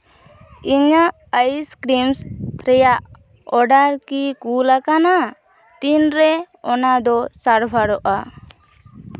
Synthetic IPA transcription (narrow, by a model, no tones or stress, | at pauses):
iɲaʔ | əjskɾimsɾɛjaʔ | ɔɖaɾkikulakana | t̪inɾɛ | ɔnad̪ɔsaɾbʱaɾɔʔa